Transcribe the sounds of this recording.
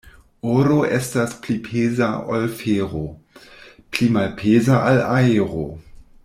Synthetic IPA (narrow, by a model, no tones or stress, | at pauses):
oɾoʔestasplipʰezaolfeɾo | plimalpʰezaʔalaeɾo